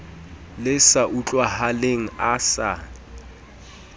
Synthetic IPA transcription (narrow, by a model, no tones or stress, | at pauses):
lɪsaʔut͡ɬʼwahaleŋ̩asa